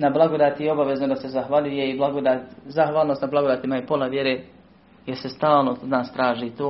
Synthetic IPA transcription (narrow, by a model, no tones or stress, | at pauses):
nablˠaɡod̪aːt̪ieo̞baʋe̞znod̪ase̞zaxʋaʎujeiblˠaɡod̪aːt̪zaxʋaːlˠnost̪nablˠaɡo̞d̪aːt̪imaipo̞laʋjeɾeː | jeɾsest̪aːlˠnod̪naːst̪ɾaːʒiːt̪oː